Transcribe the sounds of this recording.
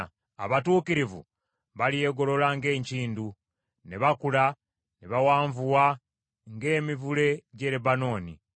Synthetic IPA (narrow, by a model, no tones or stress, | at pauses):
a̰βatuːkiɾivṵ | βalije̞ɡo̞lo̞laŋɡe̞ːɲciːndu | neβakula | neβawaːɱvuwa | ŋɡe̞ːmivule̞ɟe̞ɾebano̞ːnḭ